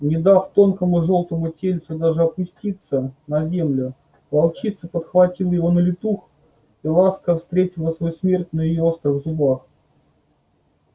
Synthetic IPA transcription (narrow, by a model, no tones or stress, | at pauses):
nʲɪd̪aft̪o̞nkəmʊʐo̞lˠt̪əmʊtʲelʲt̪sʊd̪aʐɨɐpʊsʲtʲit̪sənɐzʲe̞mlʲʊ | vɐlˠt͡ɕit̪səpət̪xvɐtʲilˠjɪvo̞nəlʲɪt̪ux | ilˠaskəfst̪ɾʲetʲɪlˠəsvojusmʲertʲnəjɪjoost̪ɾɨɣzʊbax